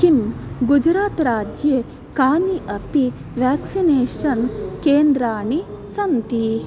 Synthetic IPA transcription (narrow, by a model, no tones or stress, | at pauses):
kimɡud͡ʒɾaːt̪ɾaːd͡ʒje | kaːniʔɐpi | ʋaːksineːʃɐnkeːnd̪ɾaːɳi | sɐnt̪i